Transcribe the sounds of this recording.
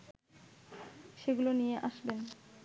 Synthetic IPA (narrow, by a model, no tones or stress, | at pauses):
ʃeɡulonijeʔaʃben